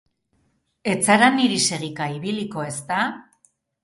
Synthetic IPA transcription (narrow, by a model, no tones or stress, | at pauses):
e̞t͡saɾaniɾise̞ɣikaiβiliko̞e̞st̪a